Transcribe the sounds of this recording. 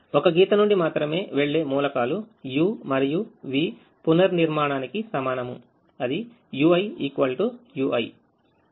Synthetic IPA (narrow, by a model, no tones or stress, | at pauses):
ɔkɐɡiːt̪ɐnuɳɖimaːt̪ɾɐme̞ːʋe̞ɭːe̞ːmuːlɐkaːlu | juːmɐɾijuʋiː | punɐɾniɾmaːɳaːnikisɐmaːnɐmu | ɐd̪i | juːɐjiːkʋɐlʈujuːʔɐj